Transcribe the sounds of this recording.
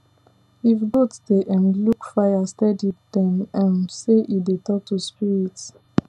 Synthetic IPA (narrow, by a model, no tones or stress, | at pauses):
ifɡotsdeʔãnlukfajastɛdiddɛ̃mãnseʔidetɔk̚tuspiɹit